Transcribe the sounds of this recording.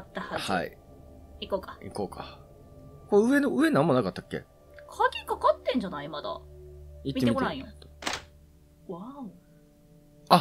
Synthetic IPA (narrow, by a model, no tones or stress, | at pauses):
at̪ːahaha̰ḭ | ikoːkḁḭko̞ːka̰ | koɯ̟e̞noɯ̟e̞nãmːo̞nakat̪ːḁkːḛ | kʰakʲikakat̪ːẽ̞ɲ̟d͡ʑanaimad̪a̰it̪mʲit̪ːeeikoɾeaĩot̪ː | βa | a